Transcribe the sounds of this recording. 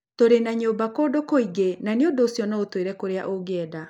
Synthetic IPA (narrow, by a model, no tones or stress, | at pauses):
toɾenaɲoːmbakoːdokoiɡenaneondoːsjɔnaotweɾɛkoɾea̰ʔoɡɛːda